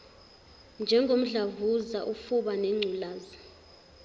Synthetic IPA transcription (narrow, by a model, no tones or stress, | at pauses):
nd͡ʒʱɛŋɡʱom̩ɮavuzaʔufuɓaneŋ͡ǀʱulaːzi